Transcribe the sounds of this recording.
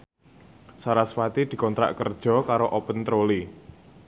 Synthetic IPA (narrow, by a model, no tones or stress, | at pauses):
saɾaswat̪id̪̥i̤kɔnt̪ɾa̰ʔkərd̥ʒ̥ɔ̤kaɾoʔopənt̪ɾoli